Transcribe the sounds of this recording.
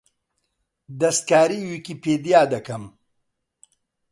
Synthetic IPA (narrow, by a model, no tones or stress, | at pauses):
d̪ɐst̪̚kaːɾiːwikipeːd̪jaːd̪ɐkɐm